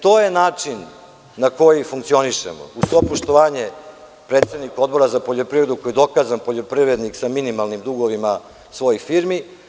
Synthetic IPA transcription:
t̪o̞jenaːt͡ʂinː | ako̞jifuŋkt̪sio̞niʃḛmo̰usʋopoʃt̪oʋaːɲe | pɾet̪sed̪niko̞d̪bo̞ɾazapo̞ʎo̞pɾivɾed̪uko̞jid̪o̞kaːzanpoʎo̞pɾivɾed̪niksaminimalˠnimd̪uɡo̞ʋima | sʋo̞jixfiɾmi

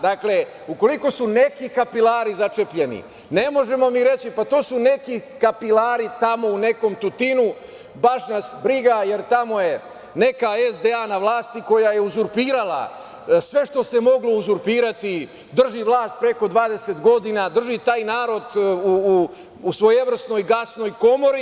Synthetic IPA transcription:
d̪akle̞ | uko̞liko̞sune̞kikapilaːɾizat͡ʃe̞pʎe̞nḭ | ne̞mo̞ʒe̞mo̞miɾe̞t͡ɕipat̪o̞ːsune̞kikapilaːɾit̪amo̞une̞ko̞mt̪ut̪inu | baʃnasbɾiɡaje̞ɾt̪amo̞je̞ | ne̞kaezd̪eanaʋlˠaːst̪iko̞jajeuzuɾpiːɾala̰ | sʋe̞ʃt̪o̞se̞mo̞ɡlo̞uzuɾpiːɾat̪i | d̪r̩ʒiʋlˠaːst̪̚pɾe̞ko̞d̪ʋaːd̪e̞set̪ɡo̞d̪inad̪r̩ʒit̪aːjnaːɾo̞d̪uu | usʋo̞jeʋr̩sno̞jɡasno̞jko̞mo̞ɾi

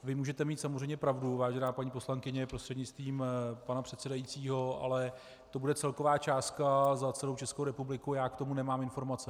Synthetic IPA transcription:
vɪmuːʒɛt̪ɛmiːt̪samozr̝ɛjmɲɛpɾavduvaːʒɛnaːpaɲipo̞slaŋkɪɲɛpɾost̪r̥ɛdɲɪt͡st̪viːmpanapr̥ɛt̪sɛdajit͡siːɦo̞a̰lɛ | t̪o̞budɛt͡sɛlko̞vaːt͡ʃaːst̪kazat͡sɛlowt͡ʃɛskowɾɛpublɪkujaːkt̪o̞munɛmaːmɪnfo̞ɾmat͡sɛ

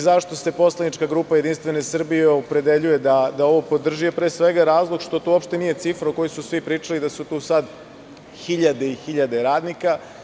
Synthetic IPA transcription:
zaʃt̪o̞se̞po̞slanit͡ʃkaɡɾuːpajed̪inst̪vʋe̞ne̞sr̩bijeopɾe̞d̪e̞ʎuje̞d̪ad̪ao̞ʋo̞po̞d̪r̩ʒiepɾe̞ːsʋe̞ɡaɾaːzlˠoɡʃt̪o̞t̪uopʃt̪e̞nije̞t̪sifɾoko̞jisusʋipɾiːt͡ʃalid̪asut̪uːsad̪ | xiʎad̪eixiʎad̪e̞ɾaːd̪nika

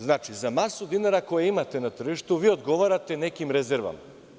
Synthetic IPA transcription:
znat͡ʃizamasud̪inaɾakojeimat̪enat̪r̩ʒiʃt̪uʋio̞d̪ɡoʋaɾat̪e̞nekimɾezeɾʋa̰ma

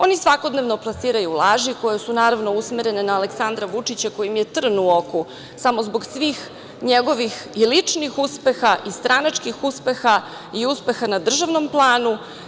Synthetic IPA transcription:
o̞nisʋako̞d̪neʋno̞plˠasiːɾajuːlˠaːʒiko̞jesunaːɾaʋno̞usmeɾe̞nenaːle̞ksand̪ɾaʋut͡ʂit͡ɕako̞jimjet̪r̩nuoku | samo̞zboɡsʋix | ɲeɡo̞ʋixilit͡ʂnixuspe̞xaʔist̪ɾanat͡ʃkixuspexa | iuspe̞xanad̪r̩ʒaʋno̞mplˠaːnu

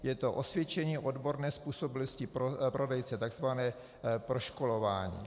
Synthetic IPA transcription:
jɛt̪o̞ʔosvjɛt͡ʃɛɲiːʔodbo̞ɾnɛːspuːso̞bɪloscɪpɾopɾodɛjt͡sɛt̪aɡz̥vanɛː | pɾo̞ʃkolovaːɲḭː

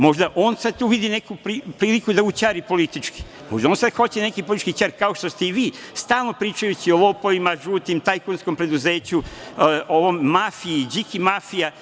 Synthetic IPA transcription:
mo̞ʒd̪aʔoːnsad̪̚t̪uːʋid̪ine̞kupɾipɾiːlikud̪aut͡ɕaːɾipo̞lit̪it͡ʃki̥ | mo̞ʒd̪aonsad̪xo̞t͡ɕene̞kipoliti̥t͡ʃkit͡ɕaːɾkaoʃt̪o̞st̪eiʋiːst̪aːlno̞pɾiːt͡ʃajut͡ɕiolopoʋimaʒuːt̪imt̪ajkonskompɾe̞d̪uze̞ːt͡ɕu | oʋommafiid͡ʑikimafija

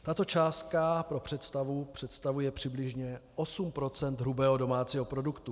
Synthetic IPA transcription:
t̪at̪o̞t͡ʃaːst̪̚kapɾo̞pr̝̥ɛt̪st̪avupr̥ɛt̪st̪avujɛpr̥ɪblɪʒɲɛʔo̞sumpɾo̞t͡sɛnd̪ɦɾubɛːɦo̞do̞maːt͡siːɦo̞pɾo̞dukt̪u

